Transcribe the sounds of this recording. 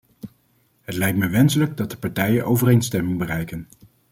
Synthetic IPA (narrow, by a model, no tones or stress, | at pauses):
ɦətlɛjk̚tməjʋɛnsələɡdɑt̚dəpɑɹtɛjənʔowvərejnstɛmɪŋbərɛjkən